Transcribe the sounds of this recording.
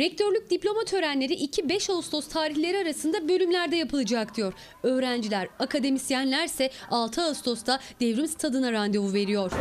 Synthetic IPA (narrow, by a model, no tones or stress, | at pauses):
ɾɛc̚t̪ʰøɾlʲyc̚d̪iplʲo̞mat̪ʰø̞ɾænlʲe̞ɾiʔicʰibɛʃaust̪ʰo̞st̪ʰaːɾiçlʲe̞ɾiaɾasɯnd̪abø̞lʲymlʲæɾd̪ɛjapʰɯlˠɯd͡ʒakd̪ijo̞ɾ | øːɾænd͡ʒilʲæɾakʰad̪e̞misjænlʲæɾsɛalˠt̪ʰɯaust̪ʰo̞st̪ʰad̪evɾimst̪ʰad̪ɯnaɾand̪evuve̞ɾijo̞ɾ̥